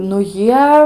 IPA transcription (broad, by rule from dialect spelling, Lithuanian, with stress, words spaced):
nʊ ˈjiɛ